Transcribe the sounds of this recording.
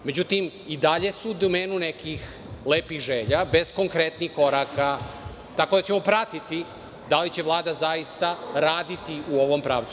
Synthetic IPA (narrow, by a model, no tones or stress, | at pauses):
me̞d͡ʑut̪im | id̪aʎe̞suːd̪ome̞ːnunekix | le̞ːpiɣʒeːʎabe̞zko̞ŋkɾet̪nixko̞ɾaːka | t̪ako̞d̪at͡ɕemo̞pɾat̪it̪i | d̪alit͡ɕe̞ʋlˠaːd̪azajist̪aɾaːd̪it̪iuo̞ʋo̞mpɾa̰ːʋt̪su